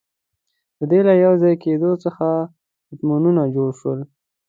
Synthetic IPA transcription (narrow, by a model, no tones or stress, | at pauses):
d̪̥əd̪elajawzɑjked̪ot͡səxa | ʊt̪mununad͡ʒoɽʃwəl